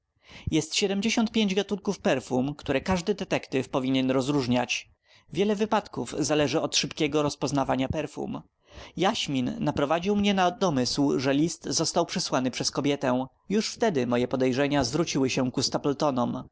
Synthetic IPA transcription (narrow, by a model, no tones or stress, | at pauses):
jɛst̪ɕɛd̪ɛmd͡ʑeɕɔnt̪̚pʲjeɲd͡ʑɡat̪unkufpɛɾfumkt̪uɾɛkaʐd̪ɘd̪ɛt̪ɛkt̪ɘfpɔvʲiɲɛnɾɔzɾuʐɲat͡ɕ | vʲjɛlɛvɘpat̪kuvzalɛʐɘɔt̪ʂɘpkʲɛɡɔɾɔspɔznavaɲapɛɾfṵm | jaɕmʲinːapɾɔvad͡ʑiwmɲɛnad̪ɔmɘswʐɛlʲist̪zɔst̪awpʂɘswanɘpʂɛskɔbʲjɛt̪ɛ | juʂft̪ɛd̪ɘmɔjɛpɔd̪ɛjʐɛɲazvɾut͡ɕiwɘɕɛ̃kust̪apɛlt̪ɔnɔm